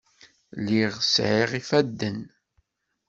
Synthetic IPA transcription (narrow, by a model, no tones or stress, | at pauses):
liʁsʕiʁifæd̪ːən